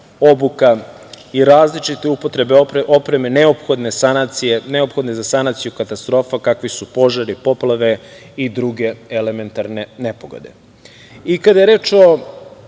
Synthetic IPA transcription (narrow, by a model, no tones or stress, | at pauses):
obuka | iɾaːzlit͡ʃit̪e̞upot̪ɾe̞beʔopɾe̞mene̞opxo̞d̪ne̞sanat̪sijeneopxo̞d̪ne̞zasanat̪sijukat̪ast̪ɾo̞ːfakakʋisupo̞ʒaɾipo̞plˠaʋe̞ | id̪ɾuɡe̞ele̞me̞nt̪aɾne̞ne̞poɡo̞̰d̪e̞̰ | ikad̪aje̞ɾe̞ːt͡ʃo